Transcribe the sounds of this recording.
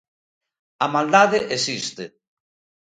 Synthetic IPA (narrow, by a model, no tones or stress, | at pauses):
amald̪aðeʔesist̪e